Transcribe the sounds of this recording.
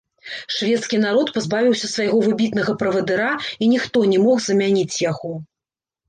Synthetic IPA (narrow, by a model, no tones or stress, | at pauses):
ʂvʲɛt̪skʲin̪aɾɔt̪pazbavʲiwsʲɐsvajɣɔvɨbʲit̪nɐɣɐpɾɐvɐd̪ɨɾainʲixt̪ɔnʲɛmɔxzɐmʲanʲit͡sʲjaɣɔ